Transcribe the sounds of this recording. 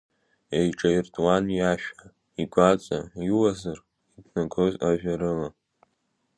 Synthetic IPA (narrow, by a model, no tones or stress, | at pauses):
ejʈ͡ʂʼajirtʼwanjaʃᶣa | iɡʷat͡sʷʼa̰iwazar | itʰnaɡʰozaʒᶣaɾɨla